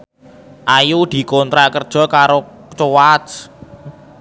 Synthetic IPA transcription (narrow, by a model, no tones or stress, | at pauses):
ʔajud̪̥i̤kont̪ɾaʔkərd̥ʒ̥ɔ̤kaɾo | t͡ʃowat͡ʃ